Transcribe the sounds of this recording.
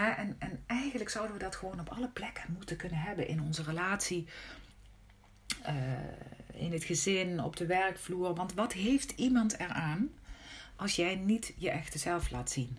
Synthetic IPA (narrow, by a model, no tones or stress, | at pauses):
ɦɛʔɛnɛnɛjχənləksʌwdənʋədɑtχəʋownɔpɑləplɛkə̥nmutəkɵnənɦɛbənʔɪ̰nɔnzərəlaːtsi | ɪ̰nətχəzɪnɔ̰b̚dəʋɛrkfluːɹʋɑntʋɑtɦejftimɑntɛɹaːn | ʔɑlˠsjɛjnitjəʔɛxtəzɛlˠflʔaːtsin